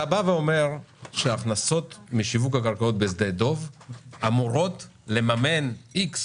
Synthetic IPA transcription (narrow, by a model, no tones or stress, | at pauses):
abaveome̞ʁʃeaχnaso̞t̪miʃivukakaʁkaot̪̚bezd̪ejdo̞vamuʁo̞tle̞mame̞niks